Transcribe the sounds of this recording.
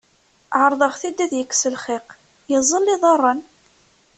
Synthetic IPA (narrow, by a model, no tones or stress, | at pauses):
ʕəɾˤðˤəʁθid̪ːæðjəkːsəlχɪq | jəzˤːəlːiðˤɑrˤːən